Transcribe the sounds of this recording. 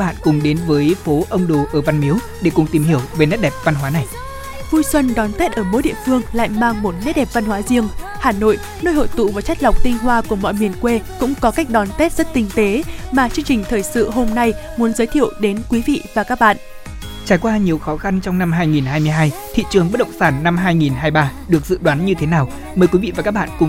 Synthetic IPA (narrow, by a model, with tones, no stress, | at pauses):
ɓa̰ː˧˨nkʊ˨˩ŋ͡mɗe˨˦nvəː˨˦jfo˨˦ʔə˧wŋ͡mɗo˨˩ʔəː˧˩va˧nmi˨˦w | ɗe˧˩kʊ˨˩ŋ͡mt̪i˨˩mhi˧˩əwve˨˩nɛ˦˥t̚ɗɛ˨˩p̚va˧nɦwaː˨˦na˨˩j | vu˧jswə˧nɗɔ˨˦nt̪e˦˥t̚ʔəː˧˩mo̰˧˥jɗḭ˧˨əfɨ˧əŋla̰ː˧˨jmaː˧ŋmo˨˩t̚nɛ˦˥t̚ɗɛ˨˩p̚va˧nhwaː˨˦zi˧əŋ | haː˨˩no̰˧˨j | noː˧jho̰˧˨jt̪ṵ˧˨vaː˨˩t͡ɕjk̚la˨˩wk͡p̚t̪ï˧ŋ̟ɦwaː˧ku˧˩əmɔ̰˧˨jmi˨˩ənkwe˧kʊ̰˧˥ŋ͡mkɔ˨˦ka˦˥k̚ɗɔ˨˦nt̪e˦˥t̚z̥ə˦˥t̚t̪ï˧˩ŋ̟t̪e˨˦maː˨˩t͡ɕɨ˧əŋt͡ɕï˨˩ŋ̟t̪ʰəː˨˩jsɨ̰˧˨ɦo˧mna˧jmu˨˦ənzəː˨˦jt̪ʰḭ˧˨əwɗe˨˦nkwi˨˦vḭ˧˨vaː˨˩kaː˦˥k̚ɓa̰ː˧˨ʔ | t͡ɕaː˧˩jkwaː˧ɲi˨˩əwxɔ˨˦xa˧nt͡ɕɔ˧wŋ͡mna˧mɦaː˧jŋi˨˩nhaː˧jmɨ˧əjɦaː˧jt̪ʰḭ˧˨t͡ɕɨ˨˩əŋɓə˦˥t̚ɗə̰˧˨ŋ͡msaː˧˩nːa˧mɦaː˧jŋi˨˩nɦaː˧jɓaː˧ɗɨ˨˩ək̚zɨ̰˧˨ɗwaː˨˦nɲɨ˧t̪ʰe˨˦naː˨˩w | məː˨˩jkwi˨˦vḭ˧˨vaː˨˩kaː˦˥k̚ɓa̰ː˧˨nkʊ˨˩ŋ͡m